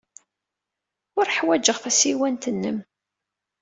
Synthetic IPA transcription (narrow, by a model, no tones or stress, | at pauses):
ʊɾħwæd͡ʒəʁθæsiwænt̪ənːəm